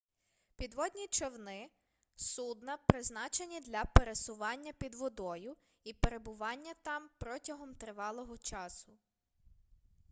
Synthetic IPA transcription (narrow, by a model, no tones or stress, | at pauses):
pʲid̪ʋɔd̪ʲnʲit͡ʃɔwnɪ | sud̪nɐpɾɪznɑt͡ʃenʲid̪lʲɐpeɾesʊʋɑnʲːɐpʲid̪ʋɔd̪ɔjʊ | ipeɾe̞bʊʋɑnʲːɐt̪ɑmpɾɔtʲɐɦɔmt̪ɾɪʋɑlˠɔɦɔt͡ʃɑsʊ